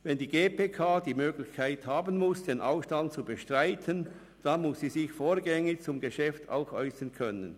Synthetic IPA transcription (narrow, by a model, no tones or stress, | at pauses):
vɛndiːɡeːpʰeːkʰaːdiːmøːɡlɪçkʰaɪthaːbən̩mʊsd̥eːnʔaʊfʃtant̚t͡subəʃtʁ̥aɪtʰən | d̥amʊsiːzɪçfoːɐɡɛŋɪt͡sʊmɡeʃɛftʰa̰ʊxʔɔʏsɐnkʰœnən